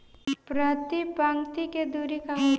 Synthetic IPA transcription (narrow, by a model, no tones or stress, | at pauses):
pɾat̪ipãŋt̪iked̪uːɾikaɦ